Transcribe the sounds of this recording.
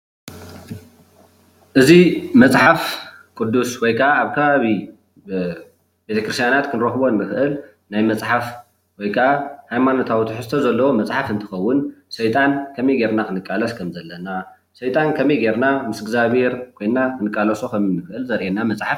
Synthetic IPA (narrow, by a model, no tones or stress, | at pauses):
ʔɨzimɐt͡sʼħaf | kʼʊd̪ːuswɔjkʰɐʔaːβkʰɐβaβi | be̞t̪ʰɐkɾɨst̪ʰjanat̪kʰɨnɨɾɐxbo̞nːɨxɨʔɨl | najmɐt͡sʼħaf | wɔjkʰɐʔahajmanot̪ʰawt̪ʰuħɨsɨt̪ʰɐzɐlːɐwomɐt͡sʼħafɨnt̪ʰɨ̥xɐwːʊnsɐjt̪ʼankʰɐmɐjɡe̞ɾnakʰɨnɨkʼːalɐskʰɐmzɐlːɐna | sɐjt̪ʼankʰɐmejɡeɾnamɨsɡzaβheɾkʰo̞jnːakɨnɨkʼːalɐsokʰɐminɨxʔɨlzɐɾʔenamɐt͡sʼħaf